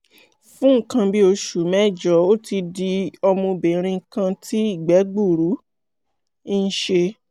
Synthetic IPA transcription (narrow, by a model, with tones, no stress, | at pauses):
fũ˦ŋ̩˦˨kã˧bi˦o˧ʃu˨mɛ˦˨d͡ʒɔ˨˦o˦ti˧di˧ɔ˧mũ˧be˨ɾ̃ĩ˧˨kã˧tʰi˦i˦˨ɡ͡bɛ˨˦ɡ͡bu˦˨ɾu˨˦ | n̩˦ʃe˧